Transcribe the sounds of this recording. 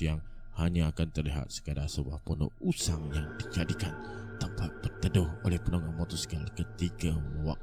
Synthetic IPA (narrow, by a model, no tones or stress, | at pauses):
jaŋ | haɲaːkant̪ərliɦa̰t̪̚sə̥kadasəbua̰hpɔno̰usaŋjaŋdikadikant̪əmpat̪̚bərt̪ədʊholɛhpənoŋamɔt̪ɔsə̥kalikət̪iɡamuwak̚